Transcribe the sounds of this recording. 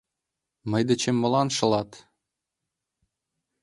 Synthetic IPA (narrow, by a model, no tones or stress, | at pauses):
mɤ̆jd̪ə̆t͡ɕĕmːɤ̆lɑnʃɤ̆lɑt̪